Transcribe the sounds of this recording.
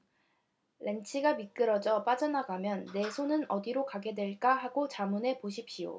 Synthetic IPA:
le̞nt͡ɕʰiɡamik͈ɯɾʌd͡ʑʌp͈ad͡ʑʌnaɡamjʌnːe̞sʰonɯnʌdiɾokaɡe̞dwe̞ɭk͈aɦaɡot͡ɕamune̞poɕʰipɕijo̰

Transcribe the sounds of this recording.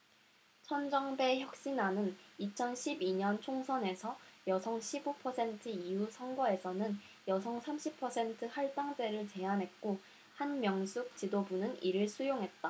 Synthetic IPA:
t͡ɕʰʌnd͡ʑʌŋbe̞çjʌk̚ɕ͈inanɯnit͡ɕʰʌnɕʰibiɲʌnt͡ɕʰoŋsʰʌne̞sʰʌjʌsʰʌŋɕʰibopʰʌsʰe̞ntʰɯijusʰʌŋɡwʌe̞sʰʌnɯn | jʌsʰʌŋsʰamɕʰipʰʌsʰe̞ntʰɯhaɭt͈aŋd͡ʑ͈e̞ɾɯɭt͡ɕe̞anɦe̞t̚k͈o | hanmjʌŋs͈ʰuk̚t͡ɕidobunɯniɾɯɭsʰujoŋɦe̞t̚t͈a

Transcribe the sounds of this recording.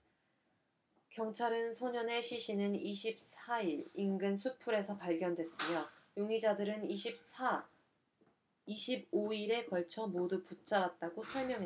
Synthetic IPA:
kjʌŋt͡ɕʰaɾɯnsʰoɲʌne̞ɕʰiɕʰinɯniɕʰip̚sʰaiɾinɡɯnsʰupʰuɾe̞sʰʌpaɭɡjʌndwe̞s͈ɯmjʌjoŋid͡ʑadɯɾɯniɕʰip̚sa | iɕʰib̚oiɾe̞kʌɭt͡ɕʰʌmoduput͡ɕ͈aɾat̚t͈aɡosʰʌɭmjʌŋɦe

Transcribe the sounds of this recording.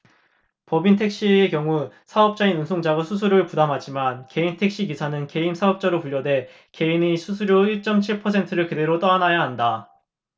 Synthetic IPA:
pʌbintʰe̞k̚ɕ͈iekjʌŋusʰaʌp̚t͡ɕ͈ainunsʰoŋd͡ʑaɡasʰusʰuɾjoɯɭpudamɦad͡ʑimanke̞intʰek̚ɕ͈iɡisʰanɯnke̞imsʰaʌp̚t͡ɕ͈aɾopuʎːʌde̞ | ke̞inisʰusʰuɾjoiɭt͡ɕ͈ʌmt͡ɕʰiɭpʰʌsʰe̞ntʰɯɾɯɭkɯde̞ɾot͈ʌanɦajaɦanda

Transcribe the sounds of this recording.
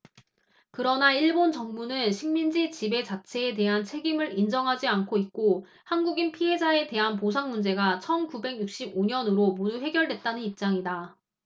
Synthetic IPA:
kɯɾʌnaiɭbont͡ɕʌŋmunɯnɕʰiŋmind͡ʑit͡ɕibe̞t͡ɕat͡ɕʰe̞ːte̞ɦant͡ɕʰe̞ɡimɯɾind͡ʑʌŋɦad͡ʑiankʰoit̚k͈o | hanɡuɡinpʰiɦe̞d͡ʑae̞te̞ɦanpos̬ʰaŋmund͡ʑe̞ɡat͡ɕʰʌnkube̞ɡjuk̚ɕ͈iboɲʌnɯɾomoduɸe̞ɡjʌɭdwe̞t̚t͈anɯnip̚t͡ɕ͈aŋida

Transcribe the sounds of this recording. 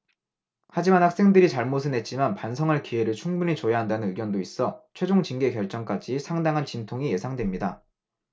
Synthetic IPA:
had͡ʑimanhak̚s͈eŋdɯɾit͡ɕaɭmosʰɯne̞t̚t͡ɕ͈imanpansʰʌŋaɭkie̞ɾɯɭt͡ɕʰuŋbuɲit͡ɕojaɦandanɯnɯɡjʌndois͈ʌt͡ɕʰwe̞d͡ʑoŋt͡ɕinɡe̞kjʌɭt͡ɕ͈ʌŋk͈ad͡ʑisʰaŋdaŋɦant͡ɕintʰoŋije̞sʰaŋdwe̞mɲida

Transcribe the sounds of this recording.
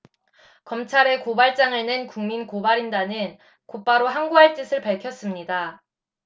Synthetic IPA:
kʌmt͡ɕʰaɾe̞kobaɭt͡ɕ͈aŋɯɭnenkuŋminkobaɾindanɯn | kop͈aɾoɦaŋɡuɦaɭt͈ɯsʰɯɭpaɭkʰjʌs͈ɯmɲida

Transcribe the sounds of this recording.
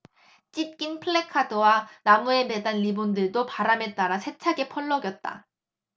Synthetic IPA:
t͡ɕ͈it̚k͈inpʰɯɭːe̞kʰadowanamue̞me̞danlibondɯɭdopaɾame̞t͈aɾasʰe̞t͡ɕʰaɡe̞pʰʌɭːʌɡjʌt̚t͈a̰

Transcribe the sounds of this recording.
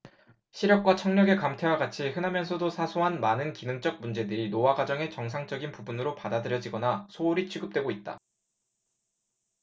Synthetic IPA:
ɕʰiɾjʌk̚k͈wat͡ɕʰʌŋɲʌɡe̞kamtʰe̞waɡat͡ɕʰihɯnɦamjʌnsʰʌdosʰasʰoɦanmanɯnkinɯŋt͡ɕ͈ʌk̚mund͡ʑe̞dɯɾinowaɡad͡ʑʌŋe̞t͡ɕʌŋsʰaŋt͡ɕ͈ʌɡinpubunɯɾopadadɯɾjʌd͡ʑiɡʌnasʰoːɾit͡ɕʰiɡɯp̚t͈we̞ɡoit̚t͈a̰

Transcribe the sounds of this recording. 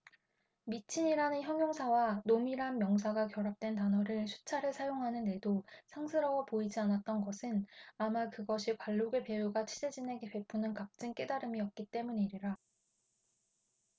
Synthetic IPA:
mit͡ɕʰiɲiɾanɯnçjʌŋjoŋsʰawanomiɾanmjʌŋs̬ʰaɡakjʌɾap̚t͈we̞ntanʌɾɯɭsʰu̥t͡ɕʰaɾɯsʰajoŋɦanɯnːe̞dosʰaŋsʰɯɾʌwʌpoid͡ʑianat̚t͈ʌnɡʌsʰɯnamakɯɡʌɕʰikaɭːoɡepe̞juɡat͡ɕʰid͡ʑed͡ʑine̞ɡepe̞p͈ʰːunɯnkap̚t͡ɕ͈ɯŋk͈e̞daɾɯmiʌp̚k͈it͈e̞muɲiɾiɾa

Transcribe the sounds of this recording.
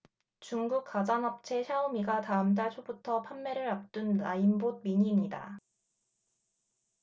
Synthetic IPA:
t͡ɕuŋɡuk̚k͈ad͡ʑanʌp̚t͡ɕʰe̞ɕʰjaomiɡataɯmt̬͈aɭt͡ɕʰobutʰʌpʰanːe̞ɾɯɾap̚t͈unːa̰imbod̚miɲiːmɲida̰

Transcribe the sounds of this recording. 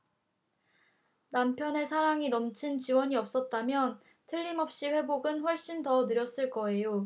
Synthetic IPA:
nampʰjʌne̞sʰaɾaŋinʌmt͡ɕʰint͡ɕiwʌɲiʌp̚s͈ʌt̚t͈amjʌn | tʰɯʎːimʌp̚ɕ͈iɸwe̞boɡɯnɸwʌɭɕ͈intʌnɯɾjʌs͈ɯɭk͈ʌe̞jo

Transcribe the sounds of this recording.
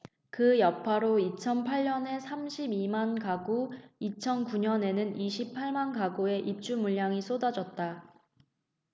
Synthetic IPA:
kɯjʌpʰaɾoit͡ɕʰʌnpʰaʎːʌne̞sʰamɕʰibimankaɡuit͡ɕʰʌnkuɲʌne̞nɯniɕʰipʰaɭmankaɡue̞ʔip̚t͡ɕ͈umuʎːaŋis͈ʰodad͡ʑʌt̚t͈a

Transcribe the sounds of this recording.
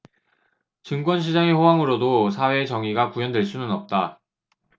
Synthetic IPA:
t͡ɕɯŋk͈wʌnɕ̬ʰid͡ʑaŋeɸowaŋɯɾodosʰawe̞t͡ɕʌŋiɡakujʌndwe̞ɭs͈unɯnʌp̚t͈a

